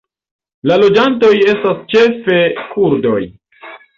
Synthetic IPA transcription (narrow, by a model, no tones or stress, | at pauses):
lalo̞d͡ʒanto̞je̞stast͡ʃe̞fe̞kʰuɾdo̞j